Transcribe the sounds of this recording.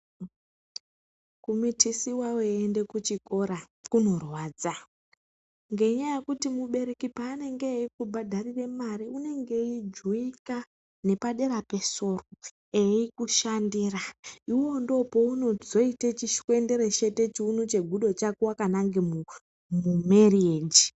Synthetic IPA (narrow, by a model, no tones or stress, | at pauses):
kumitʰisiwaweːnde̞kut͡ʃikoɾa | kuno̞rwaːd͡za | ŋɡe̞iɲajekutimuɓe̞ɾe̞kipaːne̞ŋɡeikubʱadʱariremaɾiune̞ŋɡe̞id͡ʒuika | ne̞paɗe̞ɾape̞so̞ːro | eikuʃandiːraiwo̞ndo̞po̞uno̞zo̞itet͡ʃiʃkue̞nde̞ɾet͡ʃe̞te̞t͡ʃiunut͡ʃe̞ɡʱuɗo̞t͡ʃakuwakanaŋɡemu | mumerieːd͡ʒi